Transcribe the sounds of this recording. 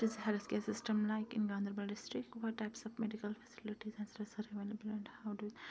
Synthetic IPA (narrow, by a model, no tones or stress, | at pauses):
ɪzɦɛlskesɪsʈə̃mlaɪkɪ̃nɡãnd̪əɾbəlɖɪsʈɾɪkʈʋɔʈːaɪpsɔfmɛɖikəlfɛ̥sɪlɪʈizɛ̃nsɾəsəɾeʋeləbəlɛ̃ɳɖhaʊɖu